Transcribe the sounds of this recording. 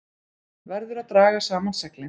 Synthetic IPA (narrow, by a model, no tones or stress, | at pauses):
vɛɾðʏɾaðt̪ɾaːɣasaːmansɛklɪ